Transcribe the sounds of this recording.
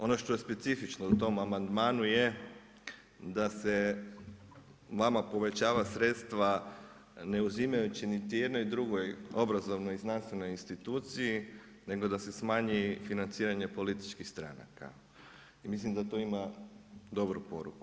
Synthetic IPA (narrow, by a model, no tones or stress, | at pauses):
o̞no̞ʃt̪o̞jespe̞t̪sifit͡ʃnout̪o̞mamand̪maːnuje̞ | d̪ase̞ | ʋamapo̞ʋe̞t͡ɕaːʋasɾet̪st̪ʋa | ne̞uzimajut͡ɕinit̪ije̞d̪no̞jd̪ɾuɡo̞jo̞bɾazo̞ʋnojiznanst̪ʋe̞no̞jinst̪it̪ut̪siji | ne̞ɡo̞d̪ase̞smaːɲifinant̪siːɾaɲe̞po̞lit̪i̥t͡ʃkixst̪ɾa̰na̰ka̰ | imislimd̪at̪oimad̪o̞bɾupo̞ɾṵku